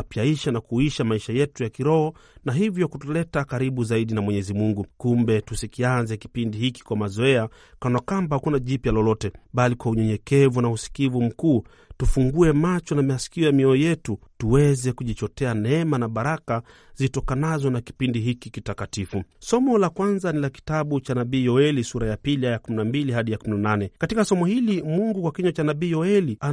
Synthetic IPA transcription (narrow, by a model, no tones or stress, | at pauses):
apjaiʃanakuiʃamaiʃajɛtujakiɾɔhɔnaɦivjɔkutɔlɛtakaɾiɓuzaiɗinamwɛɲɛzimuŋɡukumbɛtusikianzɛki̥pindihiki̥kwamazɔɛa | kanakambahakunaʄipjalɔlɔtɛɓalikwauɲɛɲɛkɛvunausi̥kivum̩kuː | tufuŋɡuɛmat͡ʃɔnamɛasi̥kiɔjamiɔjɛtutuwɛzɛkuʄit͡ʃɔtɛanɛɛmanaɓaɾaka | zitɔkanazɔnaki̥pindiɦikikitakatifusɔmɔlakwanzanilaki̥taɓut͡ʃanaɓiːjɔɛlisuɾajapiliajakuminambiliɦaɗijakuminananɛkatikasɔmɔhilimuŋɡukwakiɲɔt͡ʃanaɓiːjɔɛlia